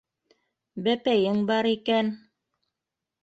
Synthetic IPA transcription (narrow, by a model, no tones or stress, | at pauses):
bæpæjɘŋbɑɾikæn